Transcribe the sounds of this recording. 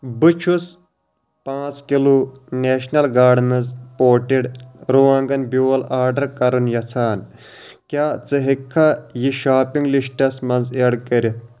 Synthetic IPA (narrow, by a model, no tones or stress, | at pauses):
bɨt͡ʃʰus | pãːt͡skiluneːʃnɐlɡaːɖnɐzpoːʈiɽɾuːãːŋɡɐnbuːɐlaːɾɖɐɾkɐɾunjɐt͡sʰaːn | kʲaːt͡sɨɦikʰːɐjiʃaːpiŋɡliʃʈɐsmɐnzeɽkɐɾit̪̚ʰ